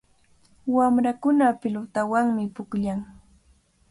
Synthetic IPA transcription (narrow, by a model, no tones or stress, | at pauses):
wamɾakʊnapɪlʊt̪awaŋmɪpʊkʎaŋ